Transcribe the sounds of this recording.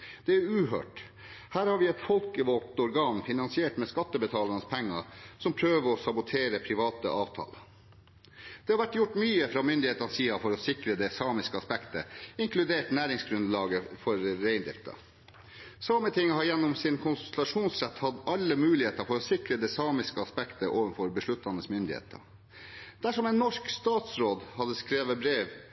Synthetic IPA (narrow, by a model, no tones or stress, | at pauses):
d̪̥ɛæɾʉːɦø̰ːʈ | hæːɾhɑɾʋɪɛt̪fɔlkəʋɔlt̪ɔɾɡɑːnfɪnɑnsɪeːʈmɛskɑt̪ːəbət̪ʰɑːlɑnəspʰɛŋːə̰sɔmpʰɾøːʋəɾɔsɑbʊt̪ʰeːɾəpʰɾɪʋɑːt̪ə̰ʔɑːʋt̪ʰɑ̰ːlə | d̪̥ɛːhɑɾʋæʈːjʊʈːmyːəfɾɑːmʏnd̪ɪheːt̪ənsiːɑfɔɾɔsɪkɾəd̪ɛsɑːmɪskəɑspɛkt̪ə̰ɪŋkʰlʉd̪eːʈnæːɾɪŋsɡɾʉnd̪lɑːɡəfɔɾːeɪnd̪ɪft̪ʰɑ̰ | sɑːmət̪ɪŋːəhɑɾjɛnːɔmsɪnkʰʊnsʊlɑʂuːnsɾæt̪hɑd̪ɑlːəmʉːlɪheːt̪ɑfɔɾɔsɪkɾəd̪ɛsɑːmɪskəɑspɛkt̪əʔoːʋənfɔɾbəʂɭʉt̪ːɑnəsmʏnd̪ɪhḛːt̪ʰə̰ | d̪̥æʂɔmɛnːɔʂkst̪ɑːt̪sɾoːd̪hɑd̪əskɾeːʋəbɾeːʋ